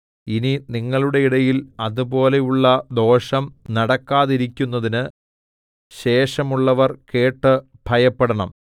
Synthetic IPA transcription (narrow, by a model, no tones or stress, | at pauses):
ininiŋːɐɭuɽe̞iɽɐjilɐðupo̞ːle̞juɭːɐd̪o̞ːʂɐmnɐɽɐkːaːðiɾikʲːunːɐðinɨ | ɕe̞ːʂɐmuɭːɐʋɐrke̞ːʈːɨ | bʱɐjɐpːeɽɐɳɐm